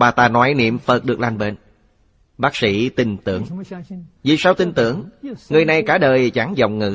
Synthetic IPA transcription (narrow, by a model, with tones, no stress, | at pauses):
ɓaː˨˩t̪aː˧nɔ˨˦jnḭ˧˨əmfə˨˩t̚ɗɨ˨˩əklaː˧˩nɓe˧˩n | ɓaː˦˥k̚sḭ˧˥t̪ï˧˩ŋt̪ɨ̰˧˨əŋ | vi˨˩saː˧wt̪ï˧nt̪ɨ̰˧˩əŋŋɨ˨˩əjna˨˩jkaː˧˩˦ɗəː˨˩jt͡ɕa˧˩ŋzɔ̰˧˨wŋ͡mŋɨ̰˧˥